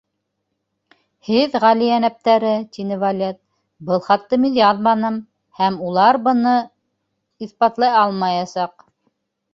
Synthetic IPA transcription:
hɘðʁælijænæp̚t̪æɾɘt̪inɘvalʲet̪̚ | bɤlˠχɑt̪ːɤminjɑðmɑnɤm | hæmulˠɑɾbɤ̆nɤ | iθpɑt̪lˠɑjɑlˠmɑjɑsɑq

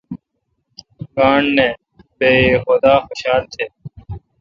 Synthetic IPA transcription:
kaːɳːẽː | beːxʊd̪aːxʊɕaːlt̪ʰeː

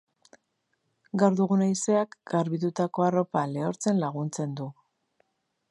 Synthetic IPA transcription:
ɡawɾðuɣunajse̞akɡ̥aɾβit̪ut̪ako̞aro̞pale̞oɾt͡se̞nlaɣunt͡se̞nd̪u

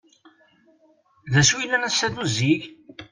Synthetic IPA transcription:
ðæswilænæsæðuziʝ

